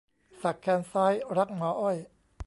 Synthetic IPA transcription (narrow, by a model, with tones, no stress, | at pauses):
sa˨˩kʰːɛː˧nsaː˦˥jɾa˦˥k̚nɔː˨˦ʔɔ˥˩j